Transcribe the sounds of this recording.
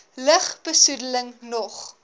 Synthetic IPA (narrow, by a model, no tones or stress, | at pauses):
ləχb̥əsudələŋnɔχ